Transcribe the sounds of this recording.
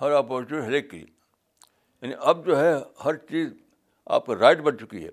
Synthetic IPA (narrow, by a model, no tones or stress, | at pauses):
hɐɾaːpoːɾt͡ʃuɦɛleːkːeliḛ | jaːniʔɐb̚d͡ʒoːɦɛhɐɾt͡ʃiːz | a̰ːp̚kaɾaːɪʈbɐnt͡ʃʊkiɦɛ̰ː